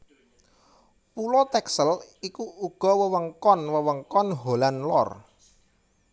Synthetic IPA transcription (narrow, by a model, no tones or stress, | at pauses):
pulɔt̪ɛksəlikuuɡ̥ɔ̤wəwəŋkɔnwəwəŋkɔnɦolanlɔ̰r